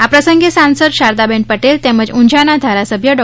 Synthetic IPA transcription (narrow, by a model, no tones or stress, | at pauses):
apɾəsəŋɡesãnsəd̪ɕaɾd̪abẽɳʈ̚pəʈelt̪ɛ̃məd͡ʑuɲd͡ʑʱanad̪ʱaɾasəbʱjəɖɔ